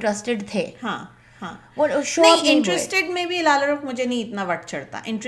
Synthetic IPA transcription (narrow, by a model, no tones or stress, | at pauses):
ʈɾəsʈeɖt̪ʰeːɦãː | ɦãːʋɔʃoːɪ̃ɳʈɾesʈeɖmẽbʱilaːləɾʊkmʊd͡ʒʱenɐɦĩɪt̪naʋɐʈ̚ʰt͡ʃʰɐɽt̪a̰ʔɪ̃ɳʈɾ